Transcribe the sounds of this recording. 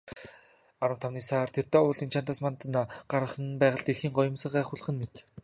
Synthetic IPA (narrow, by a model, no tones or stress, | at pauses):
aɾə̆wt̪ʰawniːsart̪ʰert̪aːʊːɮiːnt͡ɕʰant̪aːsmant̪naɢ̥aɾə̆χə̆npæːʁə̆ɮt̪eɮxiːŋɢɔjʊ̆msə̆χæːχʊɮχə̆nmet̪